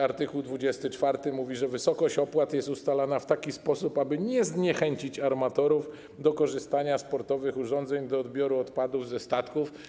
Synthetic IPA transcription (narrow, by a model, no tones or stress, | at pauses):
aɾt̪ɘkuwd̪vud͡ʑɛst̪ɘt͡ʂfaɾt̪ɘmuvʲiʐɛvɘsɔkɔɕt͡ɕɔpwat̪jɛst̪ust̪alanaft̪akʲispɔsupabɘɲɛzɲɛxɛɲt͡ɕit͡ɕaɾmat̪ɔɾuf | d̪ɔkɔʐɘst̪aɲaspɔɾt̪ɔvɘxuʐɔnd̪zɛɲd̪ɔːd̪bʲjɔɾuɔt̪pad̪uvzɛst̪at̪kuf